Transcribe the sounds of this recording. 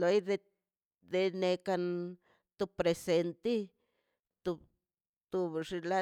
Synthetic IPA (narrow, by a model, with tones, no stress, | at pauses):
lo˧jd̪e˧ | d̪e˧ne˧ka˧n | t̪u˧bpɾe˧se˧nt̪i˦ | t̪u˧ | t̪u˧bʐi˧la˦